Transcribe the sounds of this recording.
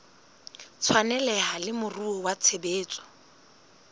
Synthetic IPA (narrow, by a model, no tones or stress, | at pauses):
t͡sʰwanɛlɛɦalɪmʊruɔwat͡sʰebeːt͡sʼɔ̥